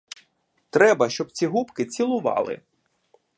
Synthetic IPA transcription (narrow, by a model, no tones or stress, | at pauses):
t̪ɾɛbɐʃt͡ʃɔb̚t͡sʲiɦupkɪt͡sʲilˠʊʋɑ̰lˠɪ̰